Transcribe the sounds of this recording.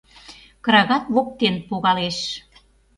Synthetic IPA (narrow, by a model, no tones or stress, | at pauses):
kɾɑɣɑt̪βok̚t̪enpoɣɑleʃ